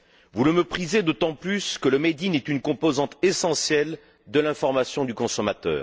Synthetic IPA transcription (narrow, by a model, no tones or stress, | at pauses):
vuləmepχized̪ot̪ɑ̃plyskələmed̪inɛt̪ynkɔ̃pozɑ̃t̪esɑ̃sjɛl | d̪əlɛ̃fɔʁmasjɔ̃d̪ykɔ̃sɔmat̪œ̰ːʁ